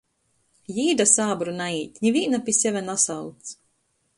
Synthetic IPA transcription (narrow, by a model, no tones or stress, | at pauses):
jiːd̪asaːbɾunaiːt̪ʲɲʲivʲiːnapʲisʲɛvʲænasawt̪s